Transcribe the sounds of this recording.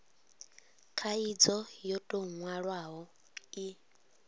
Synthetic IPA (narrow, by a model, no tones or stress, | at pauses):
kʰaid͡zɔjɔtʼoŋwaɺwaɦɔ | i